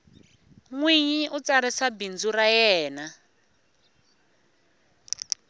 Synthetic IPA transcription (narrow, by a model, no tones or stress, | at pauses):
ŋwiɲiʔut͡saɾisabind͡zuɾajɛːna